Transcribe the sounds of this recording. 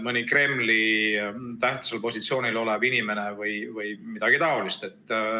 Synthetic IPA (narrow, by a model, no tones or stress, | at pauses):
mɤnʲikre̞mːli | t̪æht̪sɑlpo̞sʲit̪sio̞ːnilo̞lebinime̞ne̞vɯjvɯjmid̪̥ɑɡ̥it̪ɑo̞list̪e̞t̪ːˑ